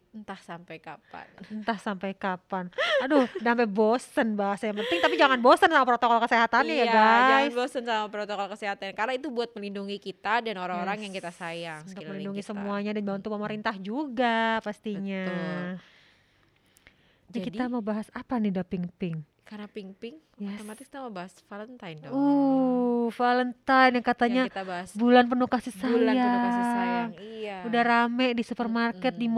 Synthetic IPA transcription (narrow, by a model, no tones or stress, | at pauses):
ənt̪ahsampajkapa̰nənt̪ahsampajkapanadʊhdampabosənbaɦasajaŋpənt̪ɪŋt̪apid͡ʒaŋanbosənsamapɾot̪okɔlkəseɦat̪annɲajabaaanbosənsamapɾot̪okɔlkəseɦat̪ankarnait̪ubuat̪̚məlinduŋikit̪adanoɾaŋoɾaŋjaŋkit̪asajaŋunt̪ʊməlinduŋisəmuaɲadanbaunt̪upəməɾint̪ahd͡ʒuɡapast̪iɲa | d͡ʒakiamawbaɦasapanidapiŋpɪŋ | karnapiŋpɪŋ | jat̪omat̪ɪki̥t̪aməbaɦasfalənt̪ajndɔ | falənt̪ajnjakat̪aɲat̪abaasbulanpənukasisajaaŋŋiaudahɾamɛʔdisupərmarkɛt̪̚di